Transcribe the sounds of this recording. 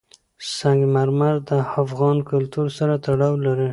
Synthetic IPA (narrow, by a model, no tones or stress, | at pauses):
saŋɡmaɾmazd̪əafɣɑnkʊlt̪uɾsaɾat̪aɽɑwlaɾi